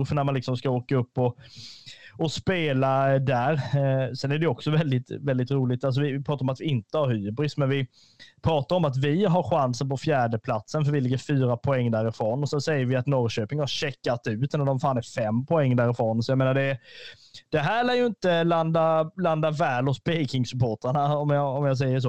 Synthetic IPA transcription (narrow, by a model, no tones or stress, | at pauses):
ɾfœɳæmanlɪksɔmskaoːkaɵpːɔ | ɔspeːlad̪æɾsɛnæɖɛjɔksɔvɛld̪ɪt̪vɛld̪ɪt̪ɾuːlɪɡt̪als̬ɔvɪvɪpʰɾɑːt̪aɾɔmat̪vɪɪnt̪əhaɾhyːbɾɪsmɛnvɪ | pʰɾɑːt̪aɾɔmat̪vɪɦaɾɧansənpɔfjæːɖəpʰlat̪sənfœɾvɪlɪɡːəɾfyːɾapʰɔɛŋːd̪æːɾɪfɾoːnɔsɛnsɛjːəɾvɪat̪nɔɾɕøːpɪŋhaɾɕɛkːat̪ʉ̟ːt̪nad̪ɔmfaːnæɾfɛmːpʰɔɛŋːd̪æːɾɪfɾoːnsɔjameːnaɖɛ | d̪̥ɛɦæːɭɛːjɵɪnt̪əland̪aland̪avɛːlɔt̪pʰɛjkɪŋsɵpʰoːʈɾaɳaɔmjɑɔmjas̬ɛjːəʂ̬oː